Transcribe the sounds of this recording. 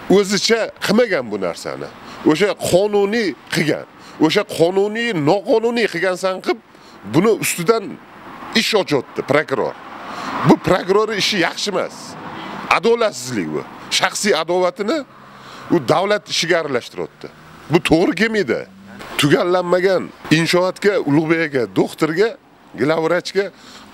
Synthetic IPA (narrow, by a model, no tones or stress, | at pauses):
ɵzɪt͡ʃʰaqʰɨmaɡʲanbʊna̰ɾsa̰nɪ̰oʃaqʰɒnʊniqʰɨɡʲa̰n | oʃ̬aqʰɒnʊnijnɒqʰɒnʊnijqʰɨɡʲansaɴqʰɨp̚ | bʊnɪʔʊst̪ʊd̪an | ɪʃɒt͡ʃʰɒt̪ːɪpɾokɾo̰ɾbʊpɾokɾoɾɪɪʃɪjɑχʃɪma̰s | a̰d̪ɒlat̪sɪzlɪkʲbʊ̰ʃaχsijad̪ɒvat̪ʰɪnɪ | ʊd̪awlat̪ɪʃɪɡʲaːɾalaʃt̪ɪɾɒ̰t̪ːɪ̰ | bʊt̪ʰoʁɾɪkʲʰe̞mid̪ɪ̰ | t̪ʰʊɡʲalːanːaɡʲanɪnʃɒat̪kʲaʊlˠʁbejaɡʲad̪oχt̪ɪɾɡʲa | ɡɪlˠavɾat͡ʃkʲa